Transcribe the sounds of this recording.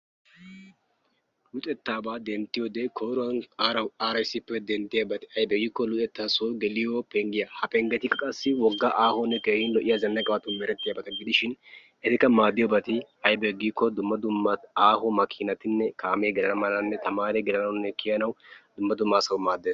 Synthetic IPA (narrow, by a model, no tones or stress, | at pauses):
lʊt̪ʼɛt̪ːaːbaːd̪ɛnt̪ːɪjɔːd̪ekʰoːɾʊwɐnaːɾɐwaːɾɐɪsːɪpːɛd̪ɛnt̪ːɪjɐbɐt̪ɪ̥ɐjbɛɡiːkːɔlʊt̪ʼɛt̪ːaːsoːɡɛlɪjɔpɛŋɡɪjɐhɐpɛŋɡɛt̪ɪkːɐkʼɐsːɪwɔɡːaʔaːhɔnːɛkeːhɪnlɔʔɪjazɐnːɐkʼɐwɐt̪ʊmɛɾɛt̪ːɪjɐːbɐt̪ɐɡɪd̪ɪʃɪn | ɛt̪ɪkːɐmaːd̪ːɪjɔbɐt̪ɪ | ɐjbɛɡiːkːɔd̪ʊmːɐd̪ʊmːɐaːhɔmɐkʰɪnɐt̪ɪnːɛkʰaːmeːɡɪlɐnɐmɐlɐnːɛt̪ɐmaːɾeɡɪlɐnɐwnːɛkʰɪjɐnɐwd̪ʊmːɐd̪ʊmːaːsɐwmaːd̪ːeːs